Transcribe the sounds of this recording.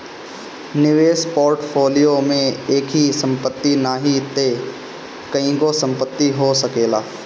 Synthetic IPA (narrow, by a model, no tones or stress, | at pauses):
nɪʋeːspoːɾʈpʰoːlijomẽeːkʰɦisə̃mpət̪ːinaːɦit̪e | kɐĩɡosə̃mpət̪ːiɦosəkeːlaː